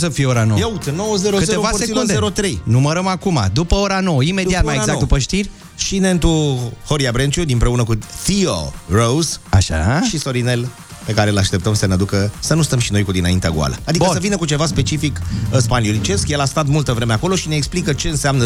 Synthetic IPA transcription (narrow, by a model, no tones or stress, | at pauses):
səfijeoɾanowjut̪nowəzeɾotzeeovaseikuneɾot̪ɾejnuməɾəmakumad̪upəoɾano̞wəime̞d̪iat̪majeɡzakd̪upəʃt̪irʲ | ʃine̞nt̪uho̞ɾiabɾent͡ʃud̪impɾe̞unəkut̪iorowzaʃa̰ʃiso̞ɾinel | pe̞kaɾe̞ɨlaʃt̪e̞pt̪əmsənead̪ukəsənust̪əmʃino̞jkud̪inaint̪ea̰ɡṵa̰lʔə̰ad̪iəsəvinəkut͡ʃe̞vaspe̞t͡ʃifikəspaniolit͡ʃe̞skjelast̪at̪mult̪əvɾe̞meako̞lo̞ʃineːksplikət͡ʃe̞ɨnseamnə